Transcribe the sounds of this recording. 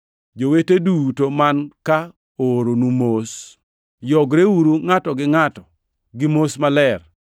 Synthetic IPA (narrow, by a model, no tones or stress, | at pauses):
d͡ʒowetedutomanka | oɾonumos | jɔɡɾewuɾuŋatɔɡɪŋatɔ | ɡɪmosmalɛr